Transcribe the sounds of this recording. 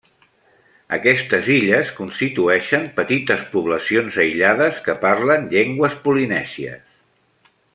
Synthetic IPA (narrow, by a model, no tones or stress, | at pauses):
ə̰kɛst̪əziʎəskunst̪it̪uɛʃəmpət̪it̪əspuβləsionzəjʎaðəskəpaɾlənʎeŋɡwəspulinɛziə̰s